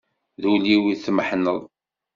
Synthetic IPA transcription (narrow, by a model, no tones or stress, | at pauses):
ðuliwiθməħnəðˤ